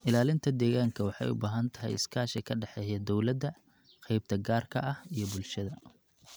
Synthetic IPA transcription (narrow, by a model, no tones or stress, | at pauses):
ʔɪlaːlɪnt̪ʰɐd̪ɛːɣaːŋkʰɐwɑħɑ̰jʊ̰baːɦɐnt̪ʰɐ̥ɦɛ̰jɪ̰skʰaːʃɛkʰɐɖɛħɛːjɐd̪ɔwlɐd̪ɐ | qɛjb̚t̪ʰɐɡaːrkʰɐʔɐhijɞbʊlʃɐðɐ